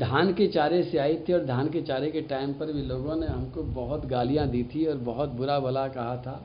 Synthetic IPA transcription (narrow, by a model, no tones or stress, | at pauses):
d̪ʱaːnket͡ʃaːɾeseaːit̪ʰiɔːɾd̪ʱaːnket͡ʃaːɾekeʈaːɪmpɐɾbʱiloːɡõneɦɐmkobɐɦʊt̪ɡaːlijãd̪iːt̪ʰiɔːɾbɐɦʊt̪̚bʊɾabɐlakɐɦat̪ʰaː